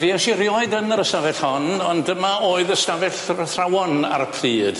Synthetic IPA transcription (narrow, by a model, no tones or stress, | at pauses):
viaʃɪɾjɔɨdənəɾəstavɛɬhɔnɔndəmaoːɨðəstavɛɬθrawɔna̰ɾəpʰriːd̥